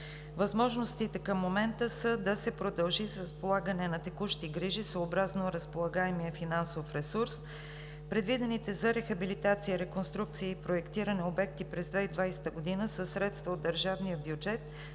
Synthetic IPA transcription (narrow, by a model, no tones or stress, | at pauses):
vɐzmɔʒnost̪it̪ɛkəmːomɛnt̪əsəd̪ɐsɛpɾod̪ɐlˠʒisɾəspolˠaɡənɛnɐt̪ɛkuʃt̪iɡɾiʒisoːbɾaznoɾəspolˠɐɡaɛmijəfinansofɾɛsuɾs | pɾɛd̪vid̪ɛnit̪ɛzɐɾɛxɐbilit̪at̪sijəɾɛkonst̪ɾuk̚t̪sijəipɾoɛkt̪iɾənɛobɛk̚t̪ipɾɛzd̪vɛid̪vajsɛ̥t̪əɡod̪inəsəsːɾɛt̪st̪vəod̪ːəɾʒavnijəbjud͡ʒɛt̪̚